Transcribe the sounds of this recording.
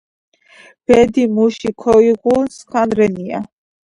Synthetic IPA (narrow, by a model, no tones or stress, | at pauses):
b̥ɛd̪imuʃikʰɔiɣuskʰanɾɛnia̰